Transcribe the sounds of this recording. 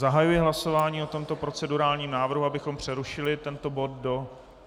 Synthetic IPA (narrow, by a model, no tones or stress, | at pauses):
zaɦajujɪɦlaso̞vaːɲiːo̞t̪o̞mt̪o̞pɾo̞t͡sɛduɾaːlɲiːmnaːvr̩ɦuabɪxo̞mpr̝̥ɛɾuʃɪlɪt̪ɛnt̪o̞bo̞t̪̚do̞